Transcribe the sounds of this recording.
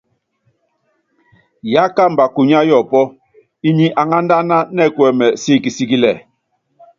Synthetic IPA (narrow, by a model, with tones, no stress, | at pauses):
ja˦ka˦m̩˨ba˨ku˨ɲa˦jɔ˦˨pɔ˦ | i˦ɲi˦ʔa˨ŋa˦n˦da˦na˦nɛ˦˨kwɛ˨mɛ˨si˦˨ki˨si˦ki˦lɛ˨